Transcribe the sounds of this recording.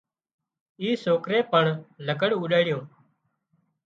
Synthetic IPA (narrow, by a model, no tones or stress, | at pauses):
iːsoːkɾeːpəɳləkəɽuːɗaːɽjõː